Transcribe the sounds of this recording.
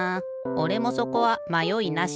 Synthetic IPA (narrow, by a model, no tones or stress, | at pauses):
o̞ɾe̞mo̞so̞ko̞βamajo̞inaɕ